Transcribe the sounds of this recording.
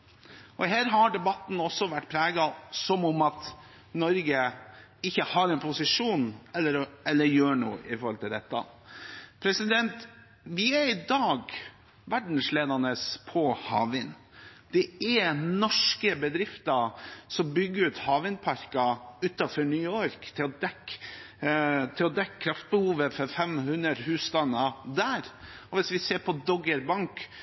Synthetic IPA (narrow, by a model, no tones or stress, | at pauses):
ʔɔɦæːɾɦɑɖɛbɑt̪ːn̩ɔsːɔʋæʈːpʰɾeːɡɑsɔmʊmɑt̪ | nɔɾɡə | ɪçːəhɑːɾɛnpʰʊsɪʂuːnɛlːəɾɛlːəɾjøːɳuːəʔɪfɔɾhɔlt̪ʰɪld̪ɛt̪ːɑ̰ | pʰɾɛsɪd̪ɛnt̪ | ʋɪæɾɪd̪ɑːɡ | ʋæɖɳ̩sleːd̪ɑnəspʰɔhɑ̰ːʋɪn | d̪̥ɛɛɾnɔʂkəbəd̪ɾɪft̪ɑsɔmbʏɡːəɾʉːt̪hɑːʋɪnpʰɑɾkɑʉːt̪ɑfɔɾɳyːɔɾkt̪ʰɪlɔd̪ɛk | t̪ʰɪlɔd̪ɛkːəkʰɾɑft̪̚bəhuːʋəfɔɾfɛmhʉnd̪əɾhʉːst̪ɑnːɑd̪æːɾɔʋɪsʋɪseːɾpʰɔd̪ɔɡəɾbɑŋk